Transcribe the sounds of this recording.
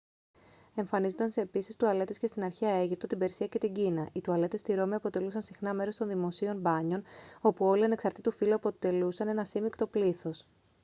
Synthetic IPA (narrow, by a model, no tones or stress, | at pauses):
e̞ɱfɐnizonɐnseepisist̪uɐle̞t̪esce̞st̪inɐɾçiɐe̞ʝip̚t̪o̞t̪ibe̞ɾsiɐce̞t̪iɲɟinɐʔit̪uɐle̞t̪e̞st̪iɾo̞miɐpo̞t̪e̞lusɐnsixnɐme̞ɾo̞st̪o̞nðimo̞sio̞nbɐɲo̞no̞puo̞liɐne̞ksɐɾt̪it̪ufiluɐpo̞t̪e̞lusɐne̞nɐsimikt̪o̞pliθo̞s